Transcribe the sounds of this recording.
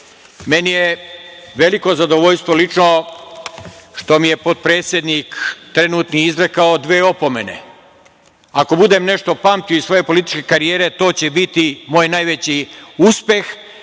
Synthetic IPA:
me̞nijeʋe̞liko̞zad̪o̞ʋo̞ʎst̪ʋo̞lit͡ʃno | ʃt̪o̞mije̞po̞t̪̚pɾeːt̪sʲje̞d̪nikt̪ɾe̞nuːt̪niizɾekaod̪ʋeːo̞po̞me̞nḛ | ako̞bud̪e̞mne̞ʃt̪o̞pamt̪ioisʋo̞je̞po̞lit̪i̥t͡ʃke̞kaɾijeːɾe̞t̪o̞ːt͡ɕebit̪imoːjnajʋe̞t͡ɕiuspe̞x

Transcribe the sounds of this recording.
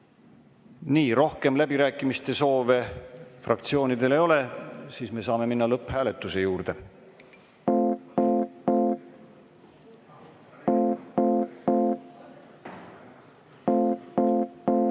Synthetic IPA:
niːɾo̞hke̞mlæb̥iɾæːkːˑimist̪e̞so̞ːve̞frɑ̰kt̪sio̞ːnid̪e̞le̞jo̞le̞siːsme̞sɑːme̞minːɑlɤpːhæːle̞t̪ːˑuse̞juːɾd̪̥e̞

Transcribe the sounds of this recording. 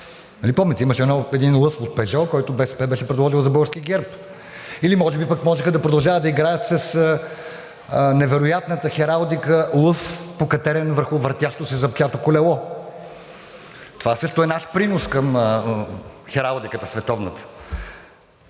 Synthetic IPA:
nɐlipɔmɛt̪ɛiməʃɛɛnɔɛd̪inlˠɤfot̪̚pɛʒɔkɔjt̪obɛsɛ̥pɛbɛʃɛpɾɛd̪vˠɔʒilˠzɐbɤɡəɾskʲiəɡɛɾp | ilimɔʒɛbipəkmɔʒɛxəd̪ɐpɾod̪ɐlˠʒavəd̪d̪ɐiɡɾajɐt̪sɐsə | nɛvɛɾojat̪nət̪əxɛɾalˠd̪ikəlˠɤfpokɐt̪ɛɾɛnvəɾxʊvəɾt̪ʲjaʃt̪osɛzɐpt͡ʃat̪okolɛlˠɔ | t̪ovasɤʃt̪oɛnaʃpɾinoskəmə | xɛɾalˠd̪ikət̪əsvɛt̪ɔvnət̪ə̥

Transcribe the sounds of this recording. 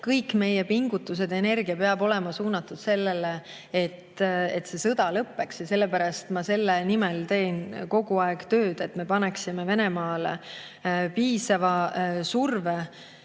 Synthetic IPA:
kɤjkːme̞jepiŋɡut̪ːˑus̬e̞d̪̥e̞ne̞rɡ̥iɑpe̞ɑbo̞lɛmɑsuːnɑt̪ːˑud̪̥se̞lːele | et̪ːet̪se̞sɤd̪̥ɑlɤpːe̞ksjɑse̞lːepæɾɑst̪mɑse̞lːenimɛlt̪e̞ːnko̞ɡ̥uɑeɡ̥t̪ø̞ːd̪̥e̞t̪me̞pɑneksimeve̞nemɑːle | piːsɑvɑsurve

